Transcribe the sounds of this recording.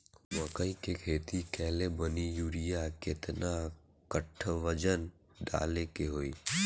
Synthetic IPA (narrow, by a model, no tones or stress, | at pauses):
ʋə̃kəĩkekʰeːt̪ikɛːlebənijuːɾɪjakɪt̪na | kəʈʰʋəd͡ʒən | ɖa̰ːlekeɦoːiː